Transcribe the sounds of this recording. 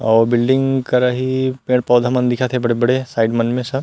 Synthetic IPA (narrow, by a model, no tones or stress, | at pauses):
ɔːɾbɪlɖɪ̃ŋɡkɐɾaɦipẽːɽpɔːd̪ʱamɐnd̪ɪkʰat̪ʰebɐɽebɐɽesaːɪɖmɐnmẽsɐ